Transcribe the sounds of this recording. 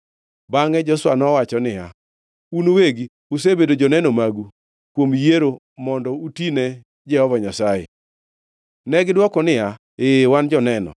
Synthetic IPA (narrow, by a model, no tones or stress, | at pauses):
baŋɛd͡ʒɔswanɔwat͡ʃɔnɪja̰ | unoweɡi | us̬ebedod͡ʒɔnɛnɔmaɡu | kwomjeɾo | mɔndɔutinɛ | d͡ʒɛhɔvɔɲasajḛ | nɛɡɪdwɔkɔnɪa | ewand͡ʒɔnɛnɔ̰